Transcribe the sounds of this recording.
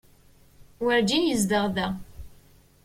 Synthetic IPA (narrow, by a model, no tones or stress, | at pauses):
wəɾd͡ʒinjəzd̪əʁðæ